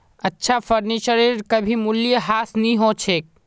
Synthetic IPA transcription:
ətːʃʰapʰəɾnit͡ʃəɾiɾkəbʱimulijəɦasniɦõt͡ʃʰek̚

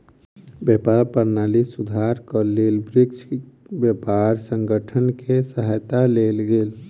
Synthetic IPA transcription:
bjəpaɾpəɾnalisud̪ʱaɾkəlelbɾikt͡ʃbjəpaɾsəŋɡəʈʰənkesəɦajt̪alelɡeːl

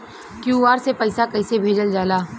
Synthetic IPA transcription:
kjuːʋaːɾsepɐɪsakɐɪsebʱeːd͡ʒəld͡ʒaːlaː

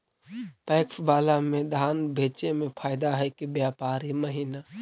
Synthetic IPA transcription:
pɛːksbaːlamẽd̪ʱaːnbʱeːt͡ʃemẽpʰaːjd̪aɦɛkibjaːpaːɾiməɦina

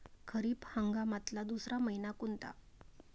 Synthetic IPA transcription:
kʰəɾiːphaŋɡamat̪lad̪usɾaməinakunt̪a̰

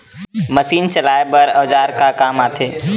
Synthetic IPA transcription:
məsiːnt͡ʃəlaːebəɾəʋd͡ʒaːɾkakaːmaːt̪ʰeː

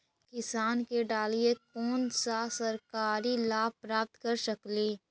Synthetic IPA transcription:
kɪsaːnkeɖaːliekɔːnsasəɾkaːɾilaːpɾaːp̚t̪kɐɾsəkliː

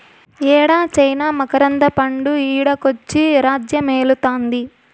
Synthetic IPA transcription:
ɛːɽaːt͡ʃɐjnaːmɐkɐɾɐnd̪ɐpɐɳɖuiːɽɐkot͡ʃːiɾaːd͡ʒjɐmeːlut̪aːnd̪i

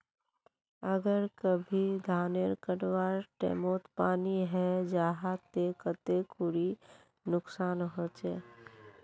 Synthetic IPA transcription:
əɡəɾkəbʱid̪ʱaːneɾkəʈwaːɾʈḛːmoːt̪paːniɦɛd͡ʒaːɦat̪ekət̪ekʊɽi | nʊksaːnɦot͡ʃeː

